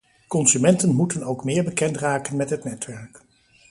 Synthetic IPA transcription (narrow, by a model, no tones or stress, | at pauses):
kɔnzymɛntənmutənowkmɪːɹbəkɛntraːkənmɛtɦətnɛtʋɛɹk